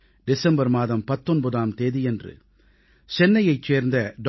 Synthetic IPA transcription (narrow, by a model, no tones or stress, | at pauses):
ɖɪsɛmbɐɾmaːðɐmpɐt̪ːɔnbɐðaːmt̪eːðijɛndrɯ̰ | t͡ʃɛnːɐjɐɪt͡ʃːeːɾnd̪ɐɖ